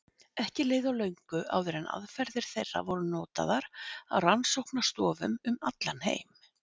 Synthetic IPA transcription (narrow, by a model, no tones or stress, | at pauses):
ɛhcɪleːðawlœɥŋkʏʔa̰ːwðʏɾɛnʔa̰ðfɛɾðɪɾ̥θejrːa̰vɔɾʏnɔːt̪a̰ðaɾ̥a̰wransowhknast̪ɔːvʏmʏmat̪lanhḛːjm